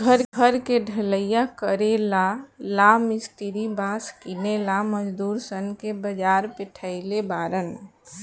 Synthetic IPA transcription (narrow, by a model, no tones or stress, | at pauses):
ɡʱəɾɡʱəɾkeɖʱələjjakəɾelalamɪsʈiɾibãskinelaməd͡ʒd̪uːɾsənkebəd͡ʒaːɾpeʈʰəɪlebaɾən